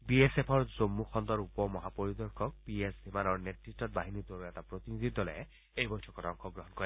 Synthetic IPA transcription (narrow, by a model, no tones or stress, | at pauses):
biesepʰɔɹzomːuxʰɔnd̪ɔɹupɔmɔɦapoɹid̪ɔɹkʰɔk̚piesbʱimanɔɹnetɹistɔt̚baɦinit̪oɹɛtapɹot̪inid̪ʱidɔlɔɛ | ejbɔjtʰɔkɔtɔŋkʰɔɡɹɔɦɔnkɔi